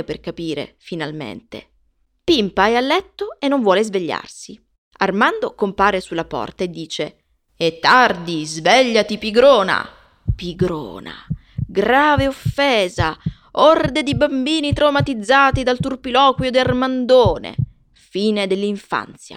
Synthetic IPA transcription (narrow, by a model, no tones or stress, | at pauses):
eperkapiːɾḛfinalmḛnt̪ḛ | pimpaajalːɛt̪ːoenːoɱvwɔːlezveʎːa̰rsi | armand̪okompaːɾesulːapɔ̰rt̪aed̪ːiːt͡ʃe | et̪ːard̪izvɛʎːat̪ipiɡɾoːna̰ | piɡɾo̰ːna̰ | ɡɾaːveofːeːza | ord̪ed̪ibambiːnit̪ɾawmat̪id̪zːaːt̪id̪alt̪urpilɔːkwjod̪iarmand̪oːnḛ | fiːned̪elːiɱfa̰nt̪sja̰